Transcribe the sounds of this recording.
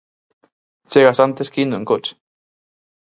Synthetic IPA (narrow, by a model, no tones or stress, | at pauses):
t͡seɣasant̪eskinueŋkot͡ʃ